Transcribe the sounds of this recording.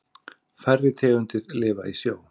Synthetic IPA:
fɛrːɪt̪ʰɛːɣʏnt̪ɪɾlɪːvaisjoːw

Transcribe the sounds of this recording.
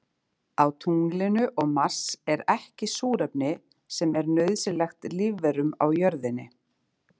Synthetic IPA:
awt̪ʰuŋlɪnʏʔɔɣmar̥sɛɾɛhcɪsuːɾɛpnɪ | sɛmɛɾnœɥðsɪlɛxt̪lɪvɛɾʏma̰wjœɾðɪnːɪ

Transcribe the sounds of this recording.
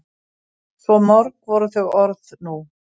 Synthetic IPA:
sɔmɔɾkvɔɾʏθœɣɔɾðnu

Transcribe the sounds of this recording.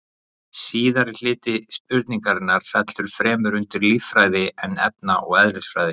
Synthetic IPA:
siːðaɾɪl̥ɪːt̪ɪspʏɾt̪niŋkaɾɪnːaɾ̥fɛt̪lʏɾ̥fɾɛːmʏɾʏnt̪ɪɾliffɾaːjðɪɛnːɛ̰p̪̚naʔɔɣɛðɾɪsfɾaːjðɪ

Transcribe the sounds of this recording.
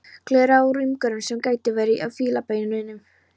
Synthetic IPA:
kʰlɛːɾaaɾʏmkœɾʏnsɛmkaːjt̪ɪvajɾɪʔawfiːlapajnʏnɪnːʏm

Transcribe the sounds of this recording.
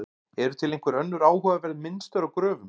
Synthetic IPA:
ʏ | ɛɾʏt̪ʰɪlejŋkvɛɾœnːʏɾaːwhœːvavɛɾðmɪnst̪œɾawkɾœːvʏm

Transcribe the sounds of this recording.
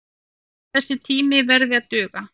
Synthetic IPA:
θɛsːɪt̪ʰiːmɪvɛɾðɪat̪œːɣa

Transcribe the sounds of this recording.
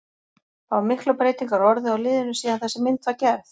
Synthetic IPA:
θavaɾmɪhklɔpɾeːjt̪iŋkaɾɔɾðɪaɣlɪːðɪnʏsiːðanθɛsɛmɪnt̪vaɾcɛɾθ

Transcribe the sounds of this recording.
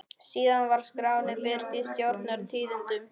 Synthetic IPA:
siːðanvaɾ̥skɾaːwnɪvɪðɾ̥t̪ist̪jowɾt̪naɾt̪ʰiːðʏnt̪ʏm

